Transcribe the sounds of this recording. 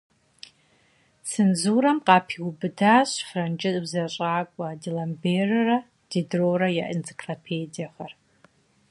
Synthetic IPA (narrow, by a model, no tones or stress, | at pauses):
sɨnzuɾamqʼapʰiwbdaʃʷfrant͡ʃʼɪtʼbzaɕʷʼaːkʷʼadilamberra | d̥edroɾajaʔɪnt͡sʰikʰropʰejdiaχar